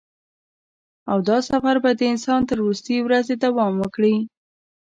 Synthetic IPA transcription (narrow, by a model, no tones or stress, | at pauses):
awd̪ɑsafaɾbad̪əɪnsɑnt̪əɾːust̪əjwɾazed̪awɑmwəkɽi